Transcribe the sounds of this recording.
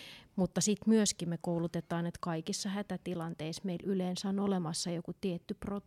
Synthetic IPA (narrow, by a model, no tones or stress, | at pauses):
mut̪ːɑsit̪myøskimmekoulut̪et̪ˑɑːnet̪kɑikisːɑhæt̪æt̪ilɑnt̪eismeilyleːnsæonolemɑsːɑjokut̪iet̪ːypro